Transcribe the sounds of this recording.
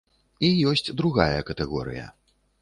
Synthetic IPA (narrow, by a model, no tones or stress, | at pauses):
ijɔsʲt͡sʲd̪ɾuɣajɐkɐt̪ɛɣɔ̰ɾɨ̰jɐ̰